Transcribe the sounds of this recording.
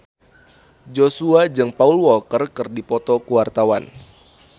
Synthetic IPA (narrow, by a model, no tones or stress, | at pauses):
d͡ʒosuad͡ʒɨŋpaulwɔlkərkɨrdipɔt̪ɔkuwart̪awan